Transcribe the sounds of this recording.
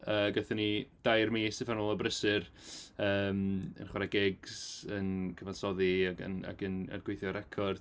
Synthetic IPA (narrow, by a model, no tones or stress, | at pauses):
əːɡɛθənid̥ajrmiːsɪfanolˠəbrəsɨrəːmə̰nχwaɾaɡɪɡsənkʰəvansɔðiaɡə̰na̰ɡənə̰rɡ̥wejθjɔɾʔɛkʰɔrd̥